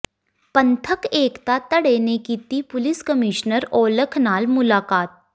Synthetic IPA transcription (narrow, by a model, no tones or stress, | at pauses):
pɐ̃nt̪ʰəkeːkt̪at̪ɐɽeːnekit̪ipʊlɪskəmiːʃnəɾoːləkʰnaːlmʊlaːkaːt̪̚